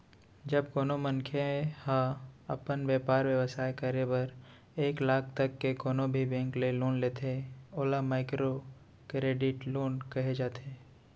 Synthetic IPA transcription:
d͡ʒəbkoːnomə̃nkʰeẽhãɐpənʋjɛːpaːɾʋjəʋəsaːekəɾebəɾ | eːklaːkʰt̪ɐkːekoːnobʱibɛ̃ːŋkleloːnleːt̪ʰeoːlamaːɪkɾo | kɾeːɖɪʈloːnkɐɦed͡ʒaːt̪eː

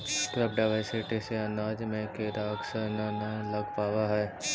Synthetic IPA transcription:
kɾɐp̚ɖaʋaːɪseʈiseɐ̃nd̪aːd͡ʒmẽkeɾaːɡsəɾnanalɐɡpaːwaɦɛː

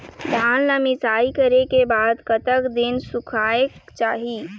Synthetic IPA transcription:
d̪ʱaːnləmɪsaːikəɾekebaːd̪kət̪əkd̪insukʰaekt͡ʃaːɦi

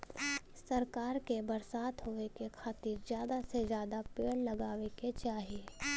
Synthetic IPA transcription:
sɐɾkaːɾkebɐɾsaːt̪ɦoːekekʰaːt̪iːɾzjaːd̪asezjaːd̪apeːɽlɐɡaːʋeket͡ʃaːɦie

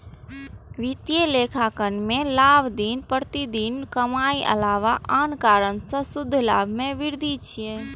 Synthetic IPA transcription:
ʋit̪jelekʰakənmẽlaːbd̪iːnpəɾt̪id̪iːnkəmaːiʔə̰laːʋaʔaːnkaːɾənsə̃sʊd̪ʱːlaːbʱmẽʋɪɾd̪ʱit͡ʃʰijẽ

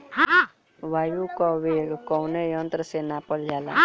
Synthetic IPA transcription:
ɦa | ʋaːjukaʋeːɡkɔwnejə̃nt̪ɾəsenapəld͡ʒaːla̰

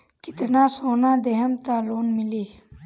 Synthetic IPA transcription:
kit̪naːsoːnãːd̪eɦɐmt̪aːluːnmiliː

